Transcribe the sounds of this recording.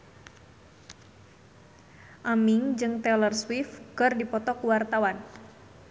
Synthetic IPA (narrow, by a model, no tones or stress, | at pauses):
ʔamiŋd͡ʒɨŋt̪ɛlərswifkɨrdipɔt̪ɔkuwart̪awan